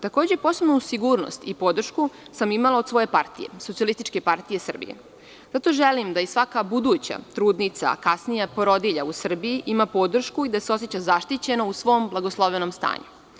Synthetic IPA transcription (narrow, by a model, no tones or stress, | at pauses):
t̪ako̞ːd͡ʑepo̞sebnusiɡuːɾno̰st̪ipo̞d̪r̩ʃkusamimalao̞d̪sʋo̞je̞paɾt̪ije̞̰sot̪sialist̪it͡ʃke̞paɾt̪ijesr̩bḭḛ | z̥at̪o̞ʒelimd̪aisʋakabud̪uːt͡ɕa̰t̪ɾuːd̪nit̪sa̰kasnijapoɾo̞d̪iʎausr̩biiʔimapo̞d̪r̩ʃkuid̪aseo̞set͡ɕazaʃt̪it͡ɕe̞nousʋo̞mblˠaɡoslˠoʋenomst̪a̰ːɲu